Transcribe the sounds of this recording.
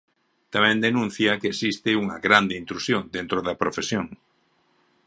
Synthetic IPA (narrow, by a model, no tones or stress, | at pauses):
t̪amɛ̃nd̪enũn̟θjɐkeesist̪ɪuŋɐɣɾand̪ɪint̪ɾusjoŋd̪ent̪ɾoðɐpɾofesjoŋ